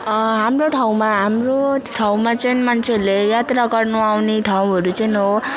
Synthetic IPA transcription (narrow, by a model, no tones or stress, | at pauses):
ɦamroʈʰaw̃maɦamroʈʰaw̃mat͡sʌnmʌnt͡sʰelejat̪raɡʌrnuawneʈʰaw̃ɦʌɾut͡sʌjnɦo